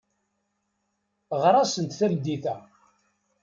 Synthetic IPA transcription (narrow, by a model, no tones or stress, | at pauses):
ʁɾˤɑsənt̪θæmd̪iθæ